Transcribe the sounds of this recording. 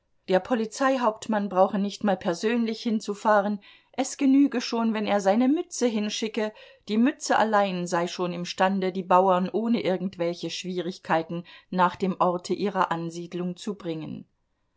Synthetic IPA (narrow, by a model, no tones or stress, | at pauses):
d̥eːɐpʰɔlit͡saɪɦaʊp̚tmanbʁaʊxənɪçtmaːlpʰɛɐzøːnlɪçhɪnt͡sufaːʁ̞ən | ʔɛsɡ̥ənyːɡəʃoːnvɛneːɐzaɪnəmʏt͡səɦɪnʃɪkə | d̥iːmʏt͡səʔa̰laɪnzaɪʃoːnɪmʃtandədiːbaʊɐnʔoːnəʔɪɐɡŋ̩tv̥ɛlçəʃv̥iːʁ̞ɪçkʰaɪtn̩ːaːχd̥eːmʔɔɐtʰəʔiːʁɐʔanziːdlʊŋt͡subʁɪŋə̰n